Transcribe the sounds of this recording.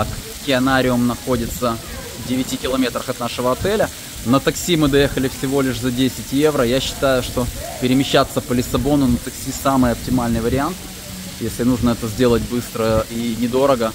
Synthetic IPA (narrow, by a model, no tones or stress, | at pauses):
k | kʲɪɐnaɾʲɪʊmnɐxo̞dʲɪt̪sə | vdʲɪvʲɪtʲikʲɪlˠɐmʲe̞t̪ɾəxɐt̪naʂɨvəɐt̪ɛlʲə | nət̪ɐksʲimɨd̪ɐje̞xəlʲɪfsʲɪvo̞lʲɪʂzɐdʲesʲɪtʲjevɾəjaɕːɪ̥t̪ajʊʂt̪o̞pʲɪɾʲɪmʲɪɕːat̪sːəpəlʲɪsɐbo̞nʊnət̪ɐksʲisamɨjɐp̚tʲɪmalʲnɨjəvəɾʲɪant̪ | jesʲlʲɪnuʐnəɛt̪əzʲdʲe̞lˠət̚ʲbɨst̪ɾəinʲɪd̪o̞ɾəɡə